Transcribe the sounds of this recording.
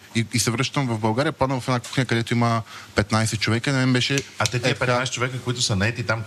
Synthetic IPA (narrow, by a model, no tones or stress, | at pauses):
iisɛvɾɤʃt̪ɐmvɐvbɐlˠɡaɾijəpad̪əvɐfɛaku̥xɐɲʲəkɐd̪ɛt̪oiməpɛt̪najsɛt̪t͡ʃovɛkəinɐmɛmbɛʃɛat̪ɛt̪iɛpɛtnajsɛt͡ʃovɛkəkoit̪ʊsɐnɐɛt̪it̪am